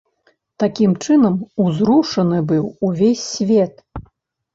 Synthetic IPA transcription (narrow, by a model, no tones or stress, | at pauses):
t̪akʲimt͡ʂɨnɐmuzɾuʂɐnɨbɨwuvʲesʲːvʲɛt̪̚